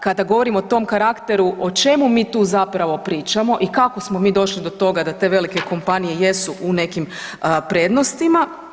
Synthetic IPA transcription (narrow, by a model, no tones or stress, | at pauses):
kad̪aɡo̞ʋo̞ɾimoot̪o̞mkaɾakt̪e̞ɾuʔo̞t͡ʃe̞mumiːt̪uːzapɾaʋo̞pɾiːt͡ʃamo̞ʔikako̞smo̞miːd̪o̞ʃlid̪o̞t̪o̞ɡad̪at̪e̞ʋe̞like̞ko̞mpanije̞je̞suʔune̞kimpɾe̞ːd̪no̞st̪ima